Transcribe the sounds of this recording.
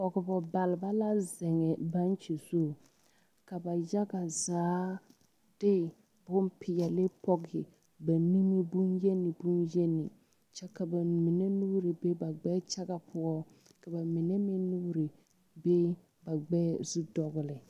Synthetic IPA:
pɔ˨ɡɪ˨bɔ˨ba˨lɪ˨ba˦la˦zɪ˨ŋɛ˨ba˦n˦t͡ʃi˨so˦˨ | ka˨ba˨ja˦ɡa˨zaː˨˦ | d̥ɪ˦˨ | bʊ˦m˦pʰɪ˨ja˨lɪ˦pɔ˦ɡɪ˨ | ba˨ni˦mi˦bʊ˦nje˦nɪ˨bu˦nje˦nɪ̰˨ | t͡ʃɛ˦ka˨ba˨mi˨ne˦nuː˦ɾi˨be˦ba˨ɡ͡bɛ˦t͡ʃa˦ɡa˨pʰʊ˦ɔ˦ | ka˨ba˨mɪ˨nɛ˦mɪ˦nu˦ɾi˨ | be˦ | ba˨ɡ͡bɛ˦zɪ˦dɔ˨ɣʊ˨lɪ˨

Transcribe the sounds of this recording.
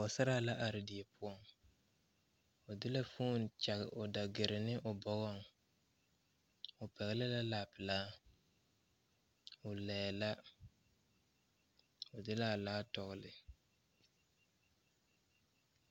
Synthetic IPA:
ɔ˨sa˦ɾaː˦˨la˦ʔa˨ɾɪ˨di˨e˨pʰʊ˦ɔ˦˨ŋ | ʊ˨dɪ˦la˦fuː˦˨n˨t͡ʃa˨ɣɪ̰˨ʔʊ˨da˨ɡɪ˨ɾɪ˨nɪ˦ʔʊ˨bɔ˨ɡɔ˦ŋ | ʊ˨pɛ˨ɣɪ˦lɪ˦la˦laː˨pɪ˨laː˦ | ʊ˨lɛ˨la˦ | ʊ˨dɪ˦la˦˨laː˦tɔ˨ɣʊ˨lɪ˨

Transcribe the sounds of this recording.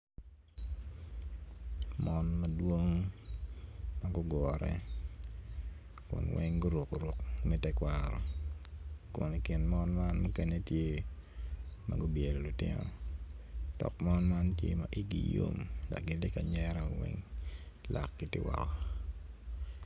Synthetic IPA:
mɔnma˨dwo˦ŋ | ma˦ɡʊ˦ɡɔɾɛ̰˦ | kʊ̰˨nwɛ˦ŋɡʊ˦ɾu˨ko˨ɾu˨kmɛ˦tɛ˦kwaɾɔ˨ | kʊ˨ni˨kɪ˨nmɔ˦nma˦nmo˦ke˦ne˦tje˦ | ma̰˨ɡʊ˦bje˨ɾo˨lʊ˨tɪ̰˦nɔ̰˨ | d̥ɔ̰˨kmɔ˦nma˦ntje˦ma˨ʔi˦ɡḭ˨jo̰˦mda˨ɡɪ˨dɪ˦ka˨ɲɛɾɛ˦wɛ̰ŋ | lʔa̰˨kːi˦tɪ˦wa̰˨kɔ˨

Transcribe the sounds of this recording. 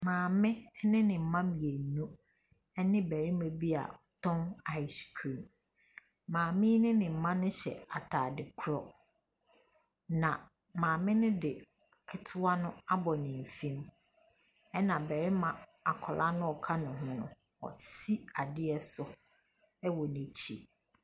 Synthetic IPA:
mãː˨mɪ̃˦nɪ̃˦nɪ̃˨m̩˨mã˦mi˨e˨nũ˦ | ɛ˦nɪ̃˦bæ˨ɾi˦mã˨bi˦a̰˨tʰɔ̃˦na˦ɪ˨skʰi˨m | mãː˨mɪ̃˦nɪ̃˦nɪ̃˨m̩˨mã˦nʊ̃˦ɕɛ̰˨a˨tʰaː˨dɪ˨kʰʊ˦ɾɔ˦ | nã˨ | mãː˨mɪ̃˦nʊ̃˦dɪ˨ | kʰɪ˨tʰʊ˦a˦nʊ̃˦a˦bɔ˨nɪ̃˨m˨fĩ˦m | ɛ˦nã˨bæ˨ɾɪ˦mã˨a˨kʰɔ˨lʔa˦nʊ̃˦ɔ˨kʰa˦nʊ̃˨ɦʊ̃˦˨nʊ̰̃˨ | ɔ̰˨si˦a˨dɪ˦ɛ˦sʊ˦ | ɛ˦wɔ˨nẽ˨t͡ɕʰi˦

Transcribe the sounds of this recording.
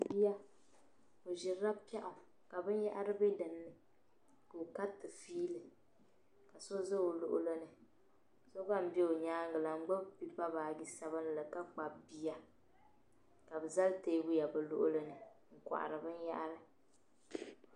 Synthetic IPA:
bi˦ja˦ | o˨ʒɪ˨ɾa˦pɛ˦ʔʊ˨ | ka˨bɨ˦n˦ja˦ʔa˦ɾɨ˦bɛ˦dɨ˨nːɨ˨ | kɨ˨ka˦tːɨ˨fiː˦lɨ˨ | ka˨so˦zɨ˦o˨lʊ̰˦ʔʊ̰˦lɨ˦nɨ˨ | so˦ba˦m̩˦bɛ˦o˨ɲaː˦ŋɡɨ˨la˨ŋ̩˦ɡ͡bʊ˦bbi˦pa˦baː˨ɡi˦sa˦βɨ˦n˦˨lɨ˨ka˦k͡pa˨bbi˦ja˦ | ka˨bɨ˨za˦lte˦bu˦ja˨bɨ˨lʊ˦ʔʊ˦lɨ˦nɨ˨ | ŋ̩˨kʷa̰˨ʔa̰˨ɾɨ˨bɨ˦n˦ja̰˦ʔa˦ɾɨ˦

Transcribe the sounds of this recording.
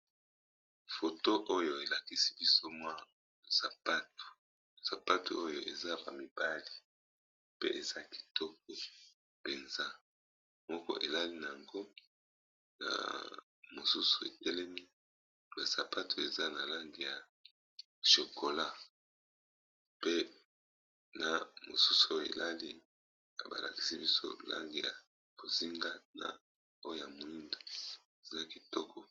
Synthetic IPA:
fo˨to˦ʔo˦jo˨e˨la˨ki˦si̥˦bi˦so˦mwa˦˨ | sa˨pa˦tu̥˨ | sa˨pa˦tṵ˨ʔo˦jo˨ʔe˨za˦ba̰˨mi˨b̥a˦li˨ | pḛ˦ʔe˨za˦ki̥˨tɔ˦k̚e˨ | pe˨nza˦ | mɔ˦kɔ̰˦ʔe˨la˦li˦na˨a˨ŋɡo˦ | na̰˨ | mo˨su˦su̥˨ḛ˨tɛ˦lɛ˦mi˦ | ba˨sa˨pa˦tʰo˨e˨za˦na˨la˦ŋɡi˨ja˨ | ʃo˨ko˨la˦ | pe˦ | na˨mo˨su˦su˨a˦jo˨ḛ˨lʔa˦li˦ | a˨ba̰˨la̰˨ki̥˨si˦bi˦so̰˦la̰˦ŋɡi˨ja̰˨ | b̥o˨zi˦ŋɡa˦na̰˨ | o˦jo˦ja˨mo˨li˦ndo˨ | e˨za˦ki˨tɔ˦kʰɔ˨

